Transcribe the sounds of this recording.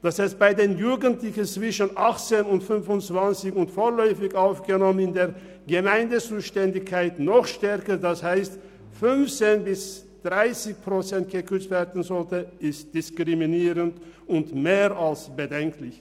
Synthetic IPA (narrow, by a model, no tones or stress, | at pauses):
d̥asɛsb̥aɪdeːnjuːɡəntlɪçənt͡sv̥ɪʃənʔaχt͡seːnʊntfʏnfʊnt͡sv̥ant͡sɪçʊntfoːɐlœʏfɪçaʊfɡ̥ənɔmənɪndeːɐ | ɡəmaɪndət͡suːʃtɛndɪçkʰːaɪtnɔχʃtɛʁkədashaɪst | fʏnft͡seːnbɪs | d̥ʁaɪsɪçpʁ̥ot͡sɛnt̚ɡ̥əkʰʏt͡stv̥ɛːɐdn̩zɔltəɪst̚d̥ɪskʁ̥iminiːʁəntʊntmeːʁalsb̥ədɛŋklɪç